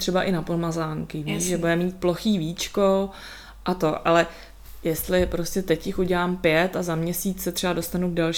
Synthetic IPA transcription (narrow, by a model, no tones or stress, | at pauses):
t̪r̥ɛbaʔɪnapolmazaːŋkɪviːʃʒɛbudɛmiːt̪̚plo̞xiːviːt͡ʃko | ʔat̪o̞ʔalɛ | jɛst̪lɪpɾo̞scʲɛt̪ɛcjɪxuɟɛlaːmpjɛt̪azamɲɛsiːt͡ssɛt̪r̥ɛbado̞st̪anuɡ̚dalʃ